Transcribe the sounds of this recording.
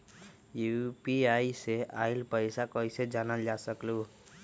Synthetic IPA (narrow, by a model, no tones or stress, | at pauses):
jupiajseailpʌjsakʌjsed͡ʒanald͡ʒasʌklu